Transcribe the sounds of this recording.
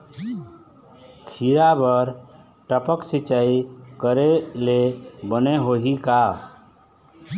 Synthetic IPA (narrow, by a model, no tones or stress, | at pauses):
kʰiɾabəɾ | ʈəpəksit͡ʃaikəɾelebəneɦoɦika